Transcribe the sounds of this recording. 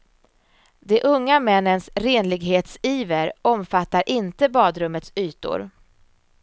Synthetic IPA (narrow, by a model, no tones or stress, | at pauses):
d̪ɛʔɵŋːamɛnːənsɾeːnlɪɡɦeːt̪siːvəɾɔmfat̪ːaɾʔɪnt̪əbɑːd̪ɾɵmːət̪syːt̪ʊ̰ɾ